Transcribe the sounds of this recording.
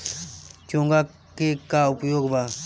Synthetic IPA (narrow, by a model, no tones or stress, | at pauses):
t͡ʃõːŋɡa | kekaʊpjoːɡbaː